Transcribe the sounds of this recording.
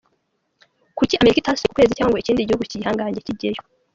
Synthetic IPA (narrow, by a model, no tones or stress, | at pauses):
kuciameɾikitaeku̥kwe̞ːzicaːŋɡweiciːndiɟihuɡucihaːŋɡaːɲɟeciɟejo